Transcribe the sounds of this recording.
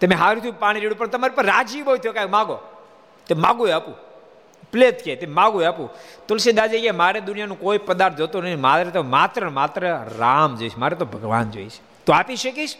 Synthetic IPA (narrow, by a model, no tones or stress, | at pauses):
t̪əmẽɦaɾũt̪ʰijũpaɽ̃iɾiɽũpəɳt̪əmaɾipəɾːad͡ʒibot̪ʰjokajkmãɡo | t̪emãɡueapũ | plet̪kʰet̪emãɡueapũt̪ulsid̪ad͡ʒekemaɾed̪ʊnijanũkoipəd̪aɾt̪̚ʰd͡ʒot̪unəmat̪ɾət̪omat̪ɾəmat̪ɾəɾamd͡ʒoiʃʰmaɾɛt̪obʱəɡʋa̰nd͡ʒo̰iʃʰ | t̪oapiʃəkiʃ